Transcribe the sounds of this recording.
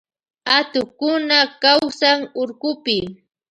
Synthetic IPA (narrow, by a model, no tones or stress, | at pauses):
at̪ʊkʊnakawsaŋoɾɢʊpɪ